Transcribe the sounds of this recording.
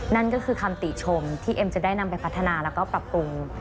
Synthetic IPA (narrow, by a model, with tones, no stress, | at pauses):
na˥˩nkɔː˥˩kʰɯː˧kʰa˧mt̪i˨˩t͡ɕʰo˧mt̪ʰiː˥˩ʔe˧mt͡ɕa˨˩da˥˩jna˧mpa˧jpʰa˦˥t̪ʰːa˧naː˧lɛː˦˥wkɔː˥˩pɾa˨˩p̚ɾu˧m